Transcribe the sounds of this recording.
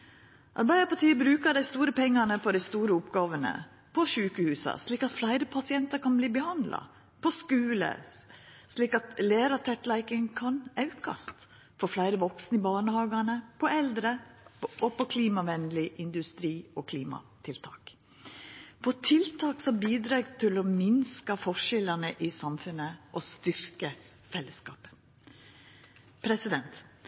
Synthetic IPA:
ʔɑ̰ɾbæɪəpɑt̪iːəbɾʉːkəɖæɪst̪uːɾəpʰɛŋːɑnəpʰɔd̪æɪst̪uːɾəʊpɡɑːʋənə̰ | pʰɔʃʉːkəhʉːsɑ̰sliːkɑt̪flæɪɾəpʰɑsɪɛnt̪ɑɾkʰɑnbliːbəhɑnd̪lʔɑ̰ | pʰɔskʉːlə̰ | sliːkɑt̪leːɾɑt̪ʰɛt̪læɪkəŋkʰɑnɑʉkɑ̰st̪ | fɔɾflæɪɾəʋɔksnɪbɑːɳəhɑːɡɑnəpʰɔɛld̪ɾəɔpɔkʰliːmɑʋɛnlɪʔɪnd̪ʉst̪ɾiːɔkʰliːmɑ̰t̪ʰɪlt̪ʰɑ̰ːk | pʰɔt̪ʰɪlt̪ʰɑːksɔmbiːd̪ɾɑːɡt̪ʰɪlɔmɪnskɑfɔʂɛlənəʔɪsɑmfʉnəʔɔst̪ʏɾkə | fɛlːəskɑ̰ːpə̥ | pʰɾɛsɪd̪ɛnt̪

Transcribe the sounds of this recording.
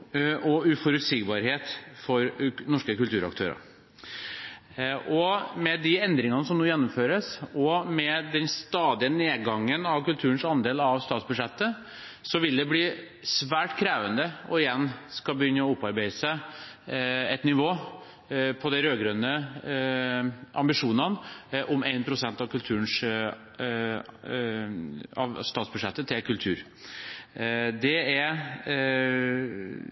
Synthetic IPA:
ʔɔʉfɔɾʉt̪siːɡbɑːɾɦeːt̪fɔɾnɔʂkəkʉlt̪ʉːɾɑ̰k̚t̪ʰø̰ːɾə̰ɾ | ʔɔmɛd̪ɪɛnd̪ɾɪŋɑnəsɔmnuːjɛnːɔmføːɾəsɔmɛd̪ɛnst̪ɑːd̪ɪəneːɡɑŋːənɑʋkʉlt̪ʰʉːɾənsɑnd̪eːlɑʋst̪ɑːt̪sbʉʂɛt̪ːə | sɔʋɪld̪ɛbliː | sʋæːʈkʰɾeːʋənd̪əɔɪjɛnːskɑbəjʏnːəɔʊpːɑɾbeɪəsæ | ɛt̪nɪʋoː | pʰɔd̪æɾøːɡɾønə | ʔɑmbɪʂuːnɑnʔʊmeɪnpʰɾʊsɛnt̪ɑʋkʉlt̪ʰʉːənʂ | ɑ̰ʋst̪ɑːt̪sbʉd̪ʂɛt̪ːət̪ʰɪlkʰʉlt̪ʰʉ̰ːɾ | d̪ɛæɾ

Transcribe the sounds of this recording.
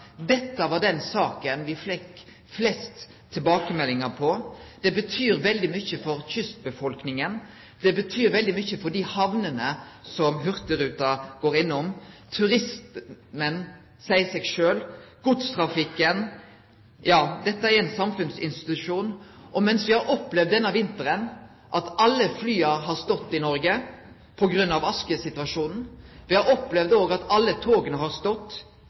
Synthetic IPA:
d̪ɛt̪ːəʋɑɖ̪ɛnsɑːkənʋɪfɛkː | flɛst̪ʰː | ɪlbɑːkəmɛlːɪŋəpʰɔd̪̥ɛbət̪ʰyːɾʋɛld̪ɪmʏçːəfɔɾçʏst̪̚bəfɔlknɪŋən | d̪̥ɛbət̪ʰyːɾʋɛld̪ɪmʏçəfɔɖɪhɑʋnənəsɔmɦʉʁt̪əɾʉːt̪ɑɡ̥oːɾɪnːʊmt̪ʰʉɾɪst̪mən | sæɪsɛɡʃøːlɡ̥ʊt̪st̪ʰɾɑfɪkːən | jɑːd̪ɛt̪ːəæɾæɪnsɑmfʉnsɪ̰nst̪ɪ̥t̪ʉʂuːnʔɔmɛnsʋɪhɑɾʔɔplɛʋd̪ːɛnːɑʋɪnt̪əɾən | ʔɑt̪ɑlːəflyːɑɦɑɾst̪ɔt̪ːɪnɔɾɡə | pʰɔɡɾʉnːɑʋɑskəsɪt̪ʋɑʂuːnn̩ʋɪhɑɾɔplɛʋd̪oːɡɑt̪ɑlːət̪ʰoːɡənəɦɑɾst̪ɔt̪ː

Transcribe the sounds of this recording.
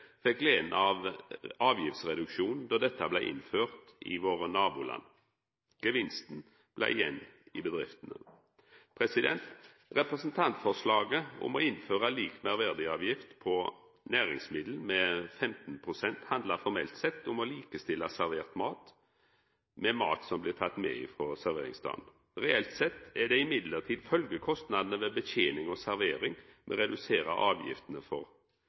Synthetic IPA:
fɛkleːnɑʋɑːʋjɪft̪sʁɛd̪ʉkʃuːnn̩d̪ɔd̪ɛt̪ːəblæɪʔɪ̰nføːʁt̪ɪ̰ʋoːʁənɑːbuːlɑ̰n | ɡ̥əʋɪnst̪n̩ | b̥læ̰ɪjɛ̰nːɪbəd̪ʁɪft̪ənə̰ | pʰʁɛsɪd̪ɛ̰nt̪ | ʁɛpʁɛsn̩t̪ʰɑnt̪fɔʁʂlɑːɡəʊ̰mo̰ɪnføːʁɑliːkmæʁʋæʁd̪ɪɑːʋjɪft̪pʰɔ | næːɾɪ̰ŋsmɪd̪l̩mɛfɛmt̪n̩pʰɾʊsɛnt̪hɑnd̪lɑɾfɔɾmɛ̰lt̪sɛt̪ːʊmɔliːkəst̪ɪlːɑsæɾʋeːʁt̪mɑːt̪ | mɛmɑ̰ːt̪sɔmblɪʁt̪ʰɑt̪ːmɛ̰ɪ̰ːfɾɔsæɾʋḛːɾɪ̰ŋsd̪ɑ̰ːd̪n | ɾɛɛlt̪sɛt̪ːæɖ̪ɛɪmɪd̪ləʁt̪ʰiːd̪fœlɡəkʰɔst̪nɑd̪ənəʋɛbəçeːnɪŋɔsæɾʋeːɾɪŋmɛ̰ɾɛd̪ʉseːɾə̰ʔɑːʋjɪ̰ft̪ənəfɔʁ

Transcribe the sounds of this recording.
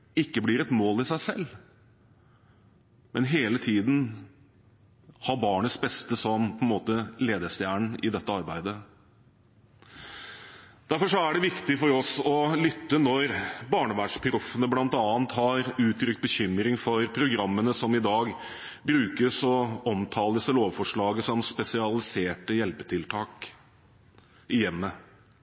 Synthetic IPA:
ɪkːəblɪɾɛt̪moːlɪsæɪsɛ̰lː | mɛnɦeːlət̪ʰiːd̪n̩ | hɑɾbɑːɳəsbɛst̪əsɔmpʰɔɛnmoːt̪əleːd̪əst̪jæːɳɪ̰d̪ɛt̪ːəɑɾbæɪd̪ə | d̪̥æɾfɔʂɔæɖɛʋɪkt̪ɪfɔɾɔsɔlʏt̪ːənɔɾbɑːɳəʋæːʂpʰɪɾʊfənəblɑnt̪ɑːnt̪hɑɾʉːt̪ʰɾʏkt̪̚bəçʏmːɾɪŋfɔɾpʰɾʊɡɾɑmːənəsɔmɪd̪ɑːɡbɾʉːkəsɔɔmt̪ʰɑːləsɛloːʋfɔʂɭɑːɡəsɔmspɛsɪɑlɪseːʈəjɛlpət̪ʰɪlt̪ʰɑːk | ɪjɛmːə

